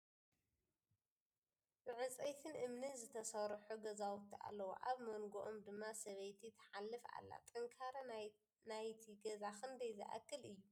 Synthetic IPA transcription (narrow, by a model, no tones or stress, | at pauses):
mɨʕɨt͡sʼejt̪ʰɨnʔɨmnɨnzɨt̪ʰɐsɐɾħuɡɐzawut̪ʰːiʔa̰lːɐwo̰ʔaβmɐŋɡoʔomd̪ɨmːasɐβɐjt̪ʰit̪ʰːɐ̥ħalːɨfa̰lːa̰t̪ʼɨŋkʰaɾɐ | najt̪ʰiɡɐzaxʰɨnd̪ɐjzɨ̰ʔa̰kːɨlɨjːu